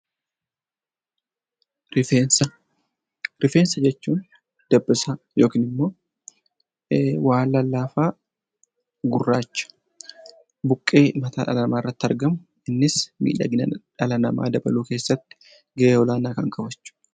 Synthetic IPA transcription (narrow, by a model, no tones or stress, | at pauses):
ɾɪfensɐ | ɾɪfeːnsɐd͡ʒɛt͡ʃːuːn | d̪̥ɐbːɪsa | jo̞ːkiːnɪmːo̞ː | waːlːɐlːaːfaː | ɡʊrːaːt͡ʃːɐ̥ | bʊkʼːe̞ːmɐt̪ʰaːᶑɐ̰lɐnɐmaːɪrːɐt̪ːɐɾɡɐmʊ | ɪnːɪsmḭːᶑɐ̰ɡɪnɐᶑɐlɐnɐma̰ːd̪ɐbɐluːke̞ːsːɐt̪ːɪ̥ | ɡɐʔeːwɔlaːnaːkɐŋkɐbɐt͡ʃːʊ̥